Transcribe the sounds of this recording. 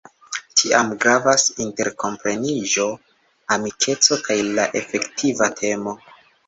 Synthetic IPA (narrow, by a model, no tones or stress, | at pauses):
tʰiamɡɾavasinte̞ɾko̞mpɾe̞niʒo̞ | amikʰe̞t͡so̞kajlaʔe̞fe̞ktʰivatʰe̞mo̞